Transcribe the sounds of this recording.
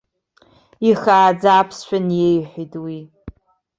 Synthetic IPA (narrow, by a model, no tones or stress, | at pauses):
iχaːd͡zaːpʰsʃʷᶣanjejħʷitʼwi